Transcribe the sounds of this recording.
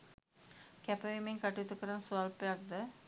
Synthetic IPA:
kæpəʋimeŋkaʈiut̪ukəɾənəsualpejak̚d̪ə

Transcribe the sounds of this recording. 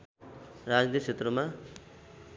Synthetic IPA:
rad͡znijt͡sʰet̪rʌma

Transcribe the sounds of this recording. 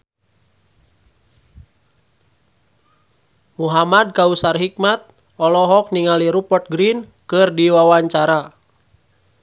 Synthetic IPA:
muɦamad̚kausarɦik̚mat̪̚ | ɔlɔɦɔk̚niŋaliɾupɔt̪̚ɡɾinkɨrdiwawaɲt͡ʃaɾa

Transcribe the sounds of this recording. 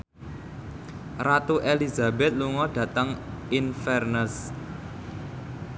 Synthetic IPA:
rat̪uʔeliza̤bɛt̪̚luŋɔɖ̥ä̤t̪əŋinfɛrnəs

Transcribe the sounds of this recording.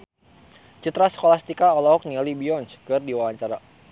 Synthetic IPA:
t͡ʃut̪ɾasə̥kolast̪ikaɔlɔɦɔk̚nialibiɔnskɨrdiwawaɲt͡ʃaɾa

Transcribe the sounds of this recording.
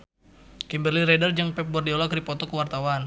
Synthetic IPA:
kimbərliɾɛdərd͡ʒəŋpɛp̚bɔrdiɔlɔkɾipɔt̪ɔkəwart̪awan

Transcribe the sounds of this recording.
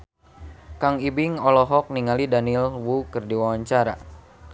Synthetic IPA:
kaŋibiŋɔlɔɦɔk̚niŋalidanilwukɨrdiwawaɲt͡ʃaɾa̰

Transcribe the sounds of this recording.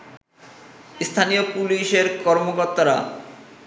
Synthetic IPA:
st̪ʰanijopuliʃeɾkɔɾmokoɾt̪ːaɾa̰

